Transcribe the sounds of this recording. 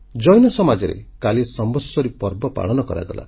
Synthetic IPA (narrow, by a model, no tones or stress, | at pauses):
d͡ʒɔjnɔsɔmad͡ʒɔɾḛkalisɔmbɔsɔɾipɔɾbɔpa̰ɭɔnɔkɔɾa̰ɡ̪ɔla̰